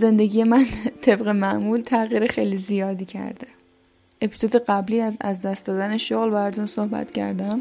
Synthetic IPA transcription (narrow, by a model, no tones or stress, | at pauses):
ze̞nd̪e̞ɟʲije̞mænt̪ʰe̞bɣe̞mæʔmult̪ʰæɣiːɾexejlizijɒːd̪iːcʰæ̰ɾd̪e | e̞pʰiz̥od̪e̞ɢæbliːæzæ̰zd̪æst̪d̪ɒːd̪æne̞ʃoɣlbææɾt̪ʰunsohbæ̰t̪cʰæ̰ɾd̪æm